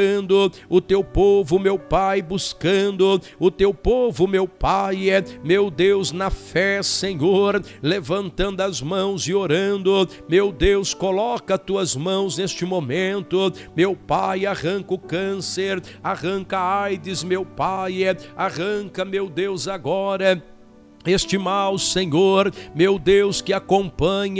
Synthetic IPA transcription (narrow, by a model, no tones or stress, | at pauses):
ɐ̃nd̪ʊ | ʊt̪ewpovʊmewpajbuskɐ̃nd̪ʊ | ʊt̪ewpovʊmewpajɛmewd̪ewznɐfɛseɲoɾlevɐ̃nt̪ɐ̃nd̪ʊɐzmɐ̃w̃zɪoɾɐ̃nd̪ʊ | mewd̪ewskolɔkɐt̪uɐzmɐ̃w̃znest͡ʃɪmomẽnt̪ʊ | mewpajaʁɐ̃ŋkʊkɐ̃seɾaʁɐ̃ŋkɐajd̪ɪzmewpajaʁɐ̃kɐmewd̪ewzaɡɔɾɐ | est͡ʃimawsẽɲoɾmewd̪ewskɪakõmpɐ̃ɲ